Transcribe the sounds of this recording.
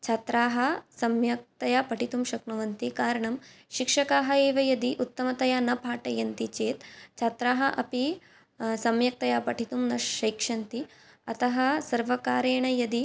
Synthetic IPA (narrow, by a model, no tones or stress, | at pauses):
t͡ʃʰat̪ɾaːɦɐ̆sɐmjɐk̚t̪ɐjaːpɐʈʰit̪umʃɐknuʋɐnt̪ikaːɾɐɳɐmʃikʂɐkaːɦɐeːʋɐjɐd̪iʔut̪ːɐmɐt̪ɐjaːnɐpaːʈɐjɐnt̪it͡ʃeːt̪t͡ʃʰat̪ɾaːɦɐʔɐpi | sɐmjɐk̚t̪ɐjaːpɐʈʰit̪umnɐʃɐjkʂɐnt̪i | ɐt̪ɐɦɐsɐɾʋɐkaːɾeːɳɐjɐd̪i